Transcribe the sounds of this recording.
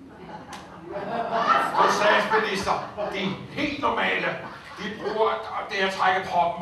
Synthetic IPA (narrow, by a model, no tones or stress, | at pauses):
ɒsd̥ɛ̥ːsminisd̥ɐd̥ihe̝̰ːld̥nɒmɛ̰ːlə | d̥ib̥ʁuːɐd̥eæt͡sʰʁaɡ̥əpʰɒ̽b̥̚m̩